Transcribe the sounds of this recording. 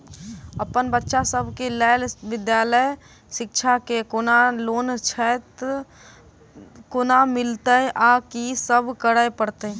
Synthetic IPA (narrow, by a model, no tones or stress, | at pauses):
əpənbətːʃasəbʱkelɛːlʋɪd̪jaːləj | ʃɪkʃʰakekonaloːnt͡ʃʰɛt̪ | kʊnamɪlt̪əʔakisəbʱkəɽəepəɽt̪e